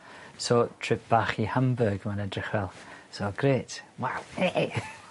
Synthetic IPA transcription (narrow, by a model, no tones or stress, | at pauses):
sotʰr̥ɪp̚ʰb̥aχihambəɡmanɛdrɪχvɛlˠsoɡ̥ɾeːtwaweʔ